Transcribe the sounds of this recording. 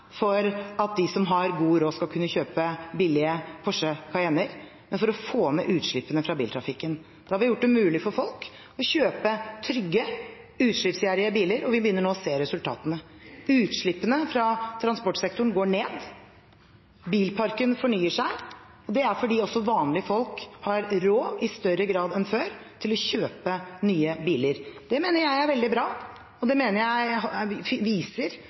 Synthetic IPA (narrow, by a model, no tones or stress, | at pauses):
fɔɾɑt̪̚d̪ɪsɔmɦɑɾɡuːɾoːskɑlkʰʉnːəçøːpəbɪlɪəpʰɔʂəkʰɑɪɛnəɾ | mɛnfɔɾɔfoːmɛ̰ʔʉːt̪ʂɭɪpːənəfɾɑbḭːlt̪ʰɾɑfɪkːən | d̪̥ɛhɑɾʋɪjʊʈ̚ːd̪ɛmʉːlɪfɔɾfɔlk | ɔçøːpət̪ʰɾʏɡːə | ʉːt̪ʂɭɪpsjæːɾɪəbiːləɾɔʋɪbəjʏnːəɳoːɔseːɾɛsʉlt̪ʰɑ̰ːt̪ənəʉːt̪ʂɭɪpːənəfɾɑt̪ʰɾɑnspɔʈsɛkt̪ʊɳ̩ɡoːɳeːd̪ | biːlpʰɑɾkənfɔɳyːəʂæɪ | ɔd̪ɛæɾfɔɖiːɔsːɔʋɑːnlɪəfɔlkhɑɾɾoːɪst̪œɾəɡɾɑːd̪ɛnføːɾt̪ʰɪlɔçøːpənyːəbiːləɾd̪̥ɛmeːnəɾjæɪæɾʋɛld̪ɪbɾɑː | ɔd̪ɛmeːnəɾjæɪhʋiːsəɾ